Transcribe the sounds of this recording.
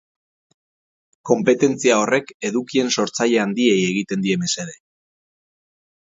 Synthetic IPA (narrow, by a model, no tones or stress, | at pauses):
ko̞mpe̞t̪e̞nt͡siao̞re̞ke̞ðukie̞nso̞ɾt͡saʎe̞and̪ie̞je̞ɣ̞it̪e̞nd̪ie̞me̞se̞ðe̞